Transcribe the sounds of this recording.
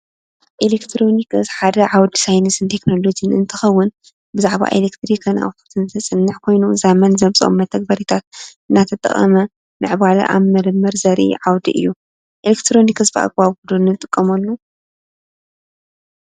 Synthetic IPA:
ʔelekt̪ʰɾo̞nikɨsħad̪ɐʕawd̪isajnɐsɨnt̪ʰe̞kno̞lo̞d͡ʒiɨnɨ̰nt̪ʰɨxɐwːʊn | bɨzaʕβa̰ʔelekt̪ɾikʰɐnʔa̰wt̪ʰut̪ʰɨnt̪ʰɐsʼɨnːɨħkʰo̞jnuzamɐnzɐβt͡sʼo̰mːɐt̪ʰɐɡ̚bɐɾit̪ʰat̪ɨnːat̪ʰɐt̪ʼɐ̰χʼɐ̰mɐ | mɨʕbalɐ̰ʔa̰βmɐɾɨmːɨɾzɐɾʔḭʕawd̪ḭʔɨ̰jːu | ʔelekt̪ʰɾo̞nikɨsbɨʔa̰ɡ̚baβɡud̪unːɨt̪ʼɨkʼːɐmɐlːu

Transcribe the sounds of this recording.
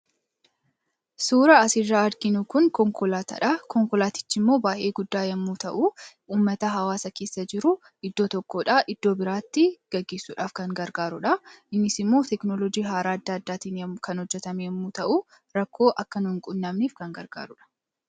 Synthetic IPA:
suːɾɐːsɪrːaːɐɾɡɪnukʊŋkɔŋkɔlaːt̪ɐ̰ᶑɐkɔŋkɔlaːt̪ɪ̥t͡ʃːɪmːo̞ːbaːʔe̞ːɡʊd̪ːaːjɐmːuːt̪ɐʔuː | uːmːɐt̪ɐɦɐwaːsɐke̞ːsːɐd͡ʒɪɾʊ | ɪd̪ːo̞ːt̪ɔkːo̞ːᶑɐʔɪd̪̥ːo̞ːbɪɾaːt̪ːɪɡ̥ɐɡːe̞ːsːuːᶑaːfkɐŋɡɐɾɡaːɾʊᶑɐʔɪnːɪsɪmːoːt̪ɛknɔlɔd͡ʒiːɦaːɾaːɐd̪ːaːɐd̪ːaːt̪iːnjɐkɐnhɔd͡ʒːɛt̪ɐmeɛmːuːt̪ɐʔuː | ɾɐkːo̞ːʔɐkːɐnʊɪŋkʼʊnːɐmniːfkɐŋɡɐɾɡa̰ːɾʊᶑɐ̥

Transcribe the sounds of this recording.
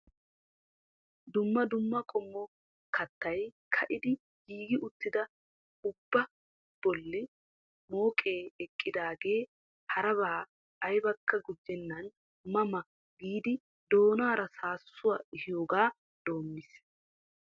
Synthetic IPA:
d̪ʊmːɐd̪ʊmːɐkʼɔmːɔ | kɐt̪ːɐjkʰɐʔɪd̪ɪ | ɡiːɡɪʔʊt̪ːɪd̪ɐ | ʊbːɐ | b̥ɔlːɪ | mo̞ːkʼe̞ːɛkʼːɪd̪aːɡe̞ː | hɐɾɐβaː | ʔɐjbɐkːɐɡʊd͡ʒːɛnːɐn | mɐmɐ | ɡiːd̪ɪ | d̪o̞ːnaːɾɐsaːsːʊwɐɪhɪjo̞ːɡaː | d̪̥o̞ːmːɪs

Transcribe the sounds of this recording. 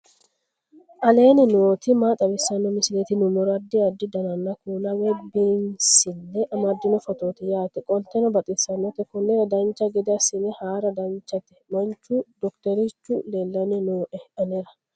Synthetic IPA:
ʔɐle̞ːnɪnoːt̪ɪmaːt̪ʼɐbɪsɐnːɔmɪsɪlet̪ɪnʊmɔɾɐd̪ːiɐd̪ːɪd̪ɐnɐnːɐkuːnɐwɛbiːnsɪlːɛʔɐmɐd̪ːɪnɔfɔt̪oːt̪ɪjaːt̪ɛkʼɔlt̪ɛnɔbɐt̪ʼɪsɐnːɔt̪ɛkʊnːɛɾɐd̪ɐnt͡ʃːɐɡɛd̪ɪɐsɪnɛhaːɾɐd̪ɐnt͡ʃːɐt̪ɪ̥mɐnt͡ʃːud̪ɔkt̪ɛɾɪt͡ʃːʊleːlːɐnɛnoːʔɛhʔɐnɛɾɐ

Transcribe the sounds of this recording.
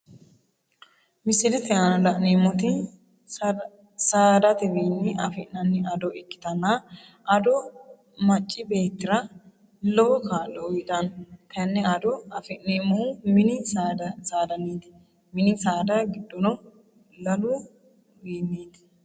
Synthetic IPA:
mɪsɪlɛt̪ɛanɐlɐʔneːmːɔt̪ɪ | saːd̪ɐt̪ɪbiːnːɪʔɐfɛʔnɐnːɪɐd̪ɔɛkːɪ̥t̪ɐnːa | ɐd̪ɔ | mɐt͡ʃʼːɪbe̞ːt̪ːɪɾɐ | lɔwɔkaːlːɔʊjɪt̪ʼɐnt̪ʰɐnːɛɐd̪ɔɐfɛʔneːmːɔʊmɪnɪdsaːd̪ɐniːd̪ɪ | mɪnɪsaːd̪ɐɡɪd̪ːɔnɔ | lɐluː | biːnːiːd̪

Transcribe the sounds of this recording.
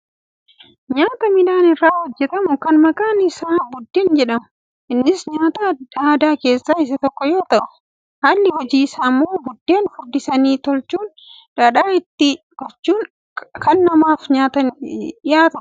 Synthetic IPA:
ɲaːt̪ɐmɪnaːnɪrːaːhɔd͡ʒːɛt̪ɐmʊkɐnmɐkʼaːnɪsaːbʊd̪ːeːnd͡ʒɛᶑɐmʊ | ʔɪnːɪsɲaːt̪aːd̪̥aːd̪aːke̞ːsːaːɪs̬ɐt̪ɔkːɔjo̞ːt̪ɐʔʊ̥ | haːlːɪhɔd͡ʒiːsaːmːoːbʊd̪ːe̞ːnfʊɾd̪ɪsɐniːt̪ɔlt͡ʃːuːn | d̪̥aːᶑaːɪt̪ːɪ | kɔt͡ʃːuːn | kɐnːɐmaːfɲaːt̪ɐnɗɪjaːt̪ɐ

